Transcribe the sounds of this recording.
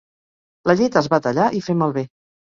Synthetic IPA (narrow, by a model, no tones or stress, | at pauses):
ləʎet̪əzβat̪əʎaʔifeməlˠβe